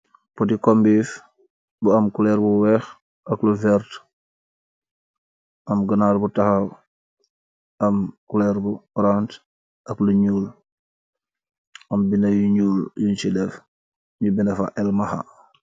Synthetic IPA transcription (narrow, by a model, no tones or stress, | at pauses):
pɔtikɔmbiːf | buamkulɛɾbuwɛx | ʔɐkluvɛɾt | ʔɐmɡənaɾbutaxa | amkulɛɾbuɔɾant | ʔɐkluɲuːl | ɐmbinajuɲuːljunt͡ʃidɛf | ɲubinafa̰ʔɛlmaxa̰